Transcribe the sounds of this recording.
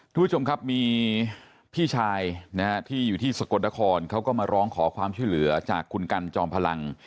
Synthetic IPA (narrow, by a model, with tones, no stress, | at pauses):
k̪ʰu˧˨bʰu˥t͡ɕʰo˧mkʰa˦˥p̚miː˧ | pʰiː˥˩t͡ɕʰaː˧jna˦˥ha˦˥t̪ʰiː˥˩juː˨˩t̪ʰiː˥˩sa˨˩ko˨˧˩t̪̚na˦˥kʰɔː˧nkʰa˦˥wkɔː˥˩maː˧ɾɔː˦˥ŋkʰɔː˩˦kʰwaː˧mt͡ɕʰu˥˩jlɯ˩˦ɐt͡ɕa̰ː˨˩kʰːu˧nka˧nt͡ɕɔː˧ŋpʰa˧la˧ŋ